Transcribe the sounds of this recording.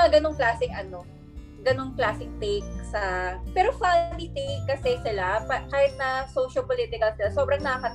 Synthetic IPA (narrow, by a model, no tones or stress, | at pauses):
ɐɡɐnoŋklaːsɪŋʔɐno̞ | ɡɐno̞ŋklaːsɪŋ̚t̪ejk̚sɐpɛːɾofad̪it̪ejkːɐsɛsɪlapɐkaːhjɪt̪̚nɐsowʃɐpolit̪ɪkɐlsɪlasobɾɐŋnɐɐkɐt̪